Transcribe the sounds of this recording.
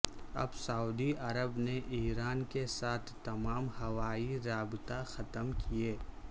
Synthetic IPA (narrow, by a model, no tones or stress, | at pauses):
ɐ̰bsauːd̪iʔɐɾəbneʔiːɾaːnkesaːt̪ʰːɐmaːmhɐʋaːiɾaːbɪt̪axɐt̪əmkieː